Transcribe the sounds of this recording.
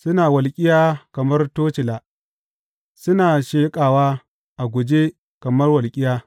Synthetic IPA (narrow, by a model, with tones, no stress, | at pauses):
sʊ˦naː˨wɐ˨lkʲʼɪ˦jaː˦kɐ˨mɐ˦rtoː˦t͡ʃɪ˨laː˨ | sʊ˦naː˨ʃeː˦kʼaː˨waː˦ | ʔa˨ɡʷʊ˨d͡ʒe˦ | kɐ˨mɐ˦rwɐ˨lkʲʼɪ˦jaː˦